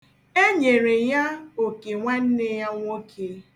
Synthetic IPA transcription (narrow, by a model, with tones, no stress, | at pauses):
e˦ɲe˨ɾe˨ja˦o˨ke˨ŋʷa˦n̩˦ne˦ja˦ŋʷo˦kʰe˦